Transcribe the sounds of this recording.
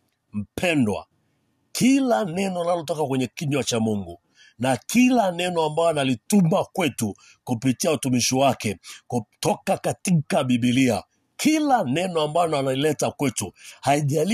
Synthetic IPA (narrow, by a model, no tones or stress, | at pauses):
m̩pʰɛndwa̰ | kʰilanɛnɔnalɔtɔkakwɛɲɛkiɲwat͡ʃamuŋɡu | nakilanɛnɔambajɔanalitumakwɛtu | kupitiautumiʃiwakɛkutɔkakatikaɓiɓilia̰ | kʰilanɛnɔambalɔanailɛtakwɛtuhaiʄal